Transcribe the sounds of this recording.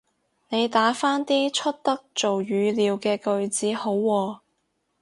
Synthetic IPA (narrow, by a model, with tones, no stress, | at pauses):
ne˨˧jt̪aː˨˥faː˥nt̪iː˥t͡ʃʰɵ˥t̚t̪ɐ˥k̚t͡so˨wjyː˨˧liː˨˧wkɛː˧kɵ˧ɥt͡siː˨˥ho˨˥wːɔː˧